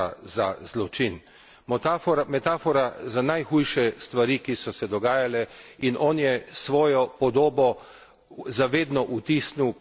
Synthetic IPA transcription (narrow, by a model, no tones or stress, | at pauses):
aza̰zlɔt͡ʃin | mɔt̪aɔɾmɛt̪aːfɔɾazanajxujʃɛst̪ʋaɾikisɔsɛd̪ɔɡaːjalɛinʔɔːnjɛsʋɔːjɔpɔd̪oːbɔ | zaʋeːd̪nɔʔut̪iːsniw